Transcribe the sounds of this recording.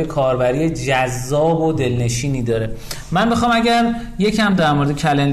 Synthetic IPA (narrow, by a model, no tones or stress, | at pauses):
ekʰɒːɾbæɾiːjed͡ʒæzːɒːbod̪e̞lne̞ʃiːniːd̪ɒːɾe | mænbexɒːmæɟæɾ | je̞cʰæmd̪æɾmoɾed̪ecʰælen